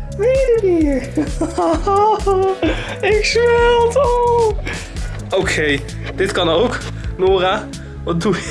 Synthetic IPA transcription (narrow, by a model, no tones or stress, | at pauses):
ʋejdəmiɹ | ɪksɛlˠto | okʰej | d̥ɪtkɑnowk | noːra | ʋɑt̚du